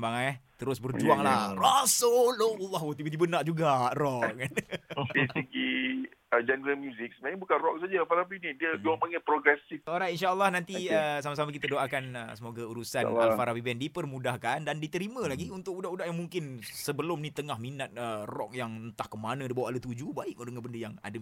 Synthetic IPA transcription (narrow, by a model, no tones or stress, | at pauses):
baŋat̪əɾʊsbərd͡ʒuaŋlarasololːɔhwət̪ibəd̪ibənaʔd͡ʒuɡarɔʔk̚nisəɡiəd͡ʒɛndəɾəlmjuzik̚səmãbukanrɔk̚sad͡ʒaafaɾapinidiəd͡ʒuaŋpaŋɛpɾoɡɾɛsifoɾainʃaəlːahnãnt̪iəsamas̬amak̬it̪adoʔakanəsəmoɡauɾusanafaɾapibɛndipərmũdahkandandit̪əɾimə̃laɡiunt̪ʊkudaʔudahjaŋmuŋkɪnsəbəlʊmnĩt̪əŋahminat̪̚ərɔk̚jaŋənt̪ahkəmanə̃dibawaʔalət̪ud͡ʒubaɪʔk̚odəŋabəndəjaŋa̰də